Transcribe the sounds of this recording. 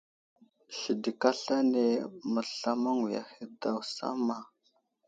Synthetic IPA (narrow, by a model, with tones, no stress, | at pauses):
ɬi˨di˨ka˦ɬa˦ne˨mə˨ɬa˦ma˦ŋi˨ja̰˨hi˨da˨wsa̰˦ma˨